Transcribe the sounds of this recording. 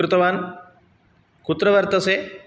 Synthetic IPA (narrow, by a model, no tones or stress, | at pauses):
ɾut̪ɐʋaːn | kut̪ɾɐʋɐɾt̪ɐseː